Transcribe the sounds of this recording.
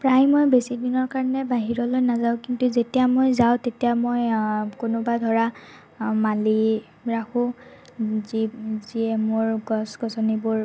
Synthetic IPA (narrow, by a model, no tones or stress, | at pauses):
pɹajmojbesidinɔɹkaɹɔnɛbaɦiɹɔlojnazaʊ̃kintuzetijamojzaʊ̃tetijamojkʊnʊbadʱɔɹa | mali | ɹakʰʊ̃ | ziziɛmoɹɡɔsɡɔsɔnibʊɹ